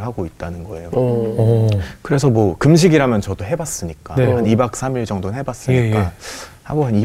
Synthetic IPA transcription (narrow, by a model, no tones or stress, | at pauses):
ɭhaɡoit̚t͈anɯnɡʌe̞̰jo | kɯɾe̞sʰʌmwʌkɯmɕ̬ʰiɡiɾamjʌnt͡ɕʌdoɦe̞bas͈ɯɲik͈anhanibak̚s͈ʰamiɭd͡ʑʌŋdonɦe̞bas͈ɯɲika | haɡoɦani